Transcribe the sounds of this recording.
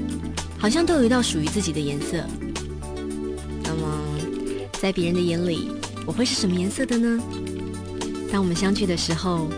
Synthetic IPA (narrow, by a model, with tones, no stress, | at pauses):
xɑ˨˩ʊɕjɑ˥˧ŋt̪o˥˧ji˧˥t̪ɑ˥˩ʊʂu˨˩y˧˥t͡sɹ̩˥˩t͡ɕi˨˩d̪ə˦jɛ˧˥nsɤ̰˥˩ | na˥˩mə˩ | t͡sa˥˩ɪpjɛ˧˥ɻə˧˥nd̪ə˧jɛ˧˥nlḭ˨˩˦ | wɔ˨˩xwe˥˧ɪʂɻ̩˥˩ʂə˧˥mə˧jɛ˧˥nsɤ˥˩d̪ə˨˩nə˩ | t̪ɑ˥ŋwɔ˨˩mə˦nɕjɑ˥ŋt͡ɕʰy˥˩d̪ə˩ʂɻ̩˧˥xo˧ʊ